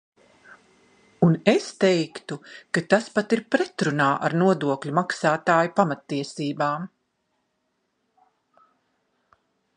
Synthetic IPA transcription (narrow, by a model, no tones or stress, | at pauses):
unest̪ɛjkt̪ukat̪aspat̪iɾpɾɛt̪ɾunaːʔa̰ɾnuɔd̪uɔklʲumaksaːt̪aːjupamat̪ːiɛsiːbaːm